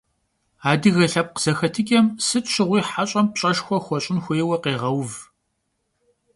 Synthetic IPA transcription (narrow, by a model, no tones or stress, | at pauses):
aːdɨɣɐɬɐp̚qz̥ɐxɐtʰɨkʲʼɐmsɨtʰɕɪʁʷiːħaɕʼɐmpɕʼɐʃxʷɔxʷɔɕʼɪnxʷeːwɐqeːʁɐwv